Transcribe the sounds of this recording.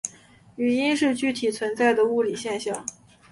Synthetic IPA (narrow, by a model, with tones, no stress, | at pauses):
y˨˩i˥nʂɻ̩˥˧t͡ɕy˥˩t̪ʰi˨˩t͡sʰwə˧˥nt͡sa˥˩ɪd̪ə˩u˥˩li˨˩ɕjɛ˥˧nɕjɑ˥˩ŋ